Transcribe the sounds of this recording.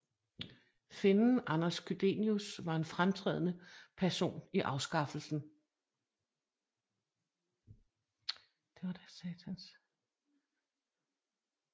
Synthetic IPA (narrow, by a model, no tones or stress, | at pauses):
fe̝nn̩ʔɑnɐskʰyd̥e̝̰niusʋɑ̈e̝nfʁamt͡sʰʁɛ̰ːð̰ˠənəpʰæɐso̝̰ːniʔɑ̈ʊsɡ̥ɑ̈fl̩sn̩ | d̥e̝ʋɑ̈d̥æsɛːt͡sʰæns